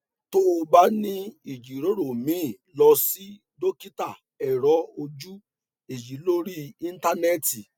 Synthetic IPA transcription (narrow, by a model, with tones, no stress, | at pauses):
to˦o˧ba˦nĩ˦i˨d͡ʒi˨ɾo˨˦ɾo˨mĩ˨˦˨ | lɔ˧si˦ | do˦ki˦ta˦˨ | ɛ˨ɾɔ˨˦o˧d͡ʒu˦ | e˨ji˨˦lo˦ɾi˦ĩ˦n̩˦ta˦nɛ˦˨ti˨